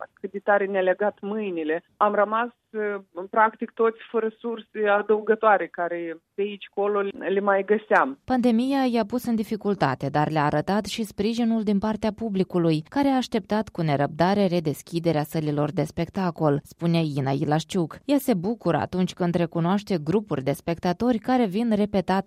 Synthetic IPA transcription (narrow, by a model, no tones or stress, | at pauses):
akɨt̪̚d̪ʲet̪aɾenʲeleɡat̪mɨjnile̞ | amrəmas | pɾakt̪ik̚t̪ot̪sʲfəɾəsursead̪əuɡət̪oaɾekaɾep̪eit͡ʃʲkololemajɡəsampand̪e̞mijajapusɨnd̪ifikult̪a̰t̪e̞d̪arleaːɾət̪at̪ʃispɾiʒinuld̪inpart̪eapublikulujkaɾe̞aːʃt̪e̞p̚t̪at̪kune̞ɾəb̚d̪aɾe̞ɾe̞d̪e̞skʲid̪e̞ɾeasəlilo̞rd̪e̞spe̞kt̪ako̞lspune̞inailaʃt͡ʃukjase̞bukuɾə̰a̰t̪unt͡ʃʲkɨnd̪re̞kunoaʃt̪e̞ɡɾupurʲd̪e̞spe̞kt̪at̪o̞rʲkaɾe̞vinre̞pe̞t̪at̪